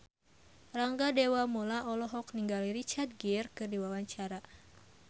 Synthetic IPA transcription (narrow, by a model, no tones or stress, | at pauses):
raŋɡadewamolaʔɔlɔɦɔk̚niŋɡaliɾit͡ʃart̪̚ɡirkɨrdiwawaɲt͡ʃaɾa